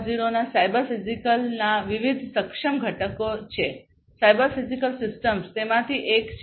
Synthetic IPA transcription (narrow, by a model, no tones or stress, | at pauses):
d͡ʒiɾonasajbəɾfizikəlnaʋiʋid̪ʱsəkʂəmɡʱəʈəkot͡ʃʰe | sajbəɾfizikəlsɪsʈəmst̪emãt̪ʰiʔek